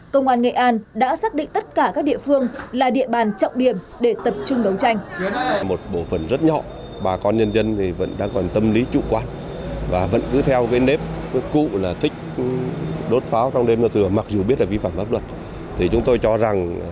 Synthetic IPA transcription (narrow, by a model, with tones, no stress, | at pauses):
kə˧wŋ͡mʔwaː˧nŋḛ˧˨ʔaː˧nɗa̰ː˧˥saː˦˥k̚ɗḭ̈˧˨ŋ̟t̪ə˦˥t̚kaː˧˩kaː˦˥k̚ɗḭ˧˨əfɨ˧əŋlaː˨˩ɗḭ˧˨əɓaː˨˩nt͡ɕɔ̰˧˨wŋ͡mɗi˧˩əm | ɗe˧˩t̪ə˨˩p̚t͡ɕʊ˧ŋ͡mɗə˨˦wt͡ɕa˧jŋ̟mo˨˩t̚ɓo˧˩fə˧˩nzə˦˥t̚ɲɔ̰˧˨ | ɓaː˨˩kɔ˧nɲə˧nzə˧nt̪ʰi˨˩və̰˧˥nɗa̰ː˧˥kɔ˨˩nt̪ə˧mli˨˦t͡ɕṵ˧˨kwaː˧n | vaː˨˩və̰˧˥nkɨ˨˦t̪ʰɛ˧wkaː˨˦jne˦˥p̚kṵ˧˨laː˨˩t̪ʰï˦˥k̟̚ | ɗo˦˥t̚faː˨˦wt͡ɕɔ˧ŋ͡mɗe˧mnɔ˧t̪ʰɨ˨˩əma˨˩k̚zu˨˩ɓi˦˥ət̚laː˨˩vi˧faː˧˩mʔaː˦˥p̚lwə˨˩t̚ | t̪ʰi˨˩t͡ɕʊ˨˦ŋ͡mt̪o˧jt͡ɕɔ˧za˨˩ŋ